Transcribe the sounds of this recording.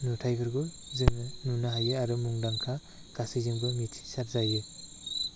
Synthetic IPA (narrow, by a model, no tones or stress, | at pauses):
nutʰajɡʰɯɾɡu | zɯŋɯnunaɦajɯaɾumuŋdaŋkʰa | ɡ̥asizɯŋbɯmitʰi̥saɾzajɯ